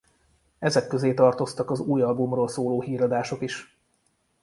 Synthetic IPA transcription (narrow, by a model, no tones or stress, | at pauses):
ɛzɛkːø̞zeːt̪ɒrt̪o̞st̪ɒkɒzuːjɒlbumroːlsoːloːɦiːɾɒd̪aːʃo̞kiʃ